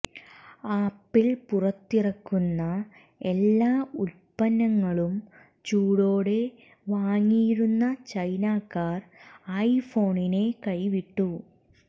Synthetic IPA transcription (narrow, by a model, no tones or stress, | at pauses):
aːpːilpurɐt̪ːirɐkːunːɐ | e̞lːaːuɾpɐnːɐŋːɐɭum | t͡ɕuːɽoːɽe̞ | ʋaːŋːiːɾunːɐt͡ɕɐjnaːkːaːrɐjfo̞ːɳine̞kɐjʋiʈːu